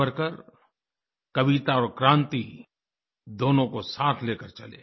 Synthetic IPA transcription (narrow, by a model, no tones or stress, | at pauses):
əɾkəɾ | kɐʋit̪aɔːɾkɾãːnt̪i | d̪oːnõkosaːt̪ʰleːkəɾt͡ʃɐlḛː